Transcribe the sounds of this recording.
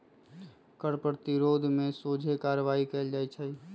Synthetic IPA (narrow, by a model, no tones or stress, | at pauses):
kəɾpəɾt̪iɾoːd̪ʱmẽsoːd͡ʒʱekaːɾʋaːikeːld͡ʒaːjt͡ʃʰəi